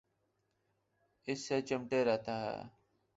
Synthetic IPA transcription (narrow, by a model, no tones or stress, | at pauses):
ɪsːeːt͡ʃəmʈeːɾəɦt̪aːɦɛ̰ː